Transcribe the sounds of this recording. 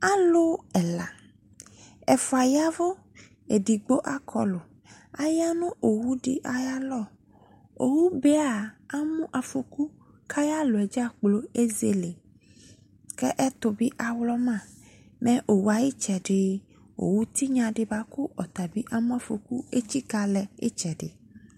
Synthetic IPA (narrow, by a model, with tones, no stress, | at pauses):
a˦lo˦ɛ˨la̰˨ | ɛ˨fɔ˨a˨ja˦vo˦ | e˨ɖi˨ɡ͡bo˦ʔa˦kʰɔ̰˨lo˨ | a˨ja˦nũ˦ʔo˨wu˦ɖḭ˨ʔa˨ja˦lɔ˦ | o̰˨wu˦be˦aa˨a˦mũ˦ʔa˨fo˨ku˦ | kʰa˦ja˦lo˨ɛ˨d͡ʒa˦k͡plo˦e˦ze˨˦le˨ | kɛ˦ʔɛ˦t̪o˨bi˦ʔa˨wlɔ˦mã˦˨ | mɛ̃˦ʔo˨wu˦a˨ji˦t͡ʃɛ˨ɖe˦ | wo̰˨wu˦t̪i˦ɲã˨ɖe˨ba˦ku˦ʔɔ˨t̪a˨bi˦ʔa˨mũ˦a˨fo˨ku˦e˦t͡ɕi˦ka˦lɛ˨ḛ˦t͡ʃɛ˨ɖḛ˨